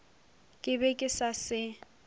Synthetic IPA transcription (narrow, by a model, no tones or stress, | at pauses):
kʼɪbɛkʼɪsasɪ